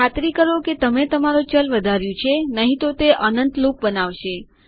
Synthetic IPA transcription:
at̪ɾikəɾoket̪əmet̪əmaɾot͡ʃəlʋəd̪ʱaɾjũt͡ʃʰenəɦĩt̪ot̪eʔənənt̪luk̚bənaʋʃe

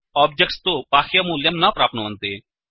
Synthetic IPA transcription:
ɔːb̚d͡ʒək̚ʈst̪oːpaːxjamuːljəmnapɾaːp̚nːə̃nt̪eː

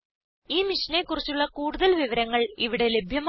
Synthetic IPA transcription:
iːmiʂɐne̞kːurit͡ɕːuɭːɐkuːɽuðɐlʋiʋɐɾɐŋːɐɭiʋiɽe̞le̞bʱjɐm

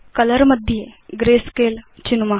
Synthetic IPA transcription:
kələɾməd̪ʱjeɡɾeskelt͡ɕinma

